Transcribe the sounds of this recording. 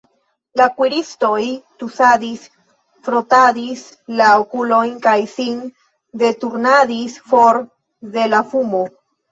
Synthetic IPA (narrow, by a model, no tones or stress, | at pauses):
lakwiɾist̪ojt̪usadis | fɾot̪aðis | laokulojnkajsin | d̪et̪uɾnaðisfoɾ | ðe̞lafumo